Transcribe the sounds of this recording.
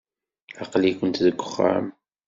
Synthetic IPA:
ɑqlikʷənt̪ðəɡʷːəχːa̰ə̰m

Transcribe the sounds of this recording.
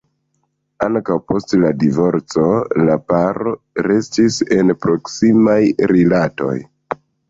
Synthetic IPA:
aŋkawpo̞stladivo̞ɾt͡so̞lapaɾo | ɾe̞stise̞npɾo̞ksimajɾilato̞̰j

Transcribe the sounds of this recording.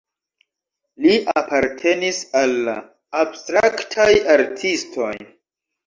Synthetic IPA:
liʔapaɾtʰe̞nisalːa̰ː | bstɾaktʰajaɾtʰistʰo̞j

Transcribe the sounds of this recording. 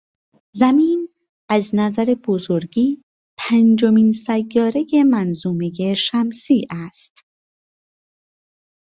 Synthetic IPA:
zæmiːn | æznæzæɾeb̥ozoɾɡiː | pʰænd͡ʒo̞miːnsæjːɒːɾeje̞mænzuːme̞jeʃæmsiːʔæst̪

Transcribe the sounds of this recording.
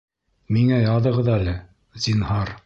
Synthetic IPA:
miŋæjɑðɤ̆ʁɤðælɘ | zinhɑɾ

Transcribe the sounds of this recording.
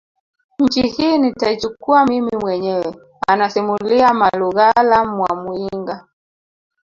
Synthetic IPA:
ɲ̩t͡ʃihiːnitait͡ʃukuamimimwɛɲɛwɛ | a̰nasimuliamaluɣalamwamuiŋɡa

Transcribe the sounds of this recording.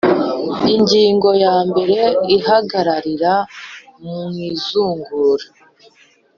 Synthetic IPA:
iɲɟiːŋɡo̞jaːmbe̞ɾe̞iɦaɡaɾaɾiɾamumwiːzuːŋɡuːɾa

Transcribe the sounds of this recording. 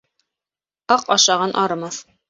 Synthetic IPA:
ɑqɑʃɑʁɑnʔɑɾɤ̆mɑθ

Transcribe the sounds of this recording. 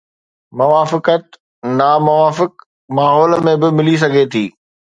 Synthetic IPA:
mʊʋaːfɪkət̪̚ | namʊʋaːfɪk | maːɦɔːləmẽbɪmɪlis̬ɐɡʱet̪ʰiː

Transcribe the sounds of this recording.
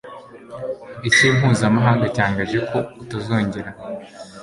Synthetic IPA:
iciːm̥ɦuːzamaɦaːŋɡacaːŋɡaʒe̞kʰo̞utazo̞ːɲɟeɾa

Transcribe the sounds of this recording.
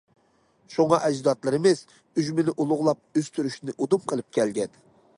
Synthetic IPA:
ʃuŋɑʔɛd͡ʒd̪ɑt̪lˠɨɾɨmɨz̥ | yʒmɪnɪʔulˠʊʁlˠɑp̚øst̪ʰyɾyʃnɪʔod̪umqʰəlˠɨp̚kʲʰɛlɡʲɛn

